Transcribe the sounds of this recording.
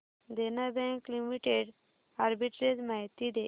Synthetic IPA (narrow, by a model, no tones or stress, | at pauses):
d̪enabɛ̃ŋklimiʈeɖ | aɾbiʈɾed͡zmaɦt̪id̪e